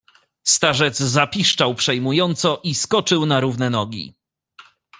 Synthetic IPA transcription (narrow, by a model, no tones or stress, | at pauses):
st̪aʐɛd̪zzapʲiʂt͡ʂawpʂɛjmujɔnt̪sɔʔiskɔt͡ʂɘwnaɾuvnɛnɔɡʲḭ